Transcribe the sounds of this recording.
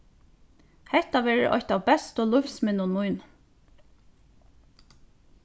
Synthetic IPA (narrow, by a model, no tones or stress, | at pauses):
hɛht̪aʋɛːɹɪ̰ʔɔ̰çt̪awbɛst̪ɔlʊfsmɪnʊnʊjn